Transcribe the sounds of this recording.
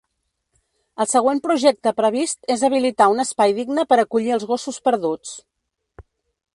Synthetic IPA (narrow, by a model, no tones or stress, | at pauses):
əlˠsəɣ̞wempɾuʒɛk̚t̪əpɾəβ̞ist̪ezəβ̞ilit̪aunəspajðiɡnəpəɾəkuʎiəlˠzɣosuspəɾðut͡s